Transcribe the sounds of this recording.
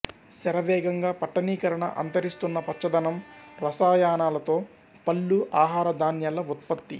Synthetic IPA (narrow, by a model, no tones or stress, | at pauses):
sɛɾɐʋɛːɡɐŋɡaːpɐʈːɐniːkɐɾɐɳɐ̰ʔɐ̰nt̪ɐɾist̪unːɐpɐtːt͡ʃɐd̪ɐnɐmɾɐsaːjaːnaːlɐt̪o̞ː | pɐlːuʔaːɦaːɾɐd̪ʱaːnjalɐut̪̚pɐt̪ːḭ